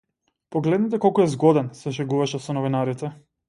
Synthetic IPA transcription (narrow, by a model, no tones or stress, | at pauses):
pɔɡlɛd̪nit̪ɛkɔlˠkuɛzɡɔd̪ɛnsɛʃɛɡuvaʃɛsɔnɔvinaɾit̪ɛ